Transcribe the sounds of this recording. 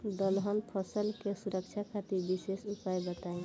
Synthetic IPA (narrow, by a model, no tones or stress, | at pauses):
d̪əlɦənpʰɔsəlkesuɾək̚t͡ʃʰakʰat̪iɾbisesupajbət̪aẽ